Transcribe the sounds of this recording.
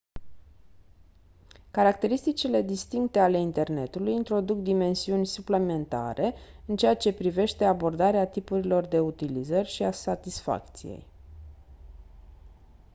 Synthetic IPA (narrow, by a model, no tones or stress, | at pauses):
kaɾakt̪e̞ɾist̪it͡ʃile̞d̪ist̪iŋk̚t̪e̞ale̞int̪e̞rne̞t̪ulujint̪ɾo̞d̪uk̚d̪ime̞nsiunʲsuple̞me̞nt̪a̰ɾʔe̞ɨnt͡ʃeat͡ʃe̞pɾive̞ʃt̪e̞abo̞rd̪aɾeat̪ipuɾilo̞rd̪e̞ut̪ilizərʲʃiasat̪isfa̰kt̪sijḛj